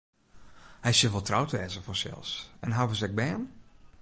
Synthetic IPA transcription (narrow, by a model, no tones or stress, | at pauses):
hɛjsjəʋɔlˠtrawtəʋɛːzəfɔsɛ̰lˠsɛnɦawvəsɛk̚bɛːn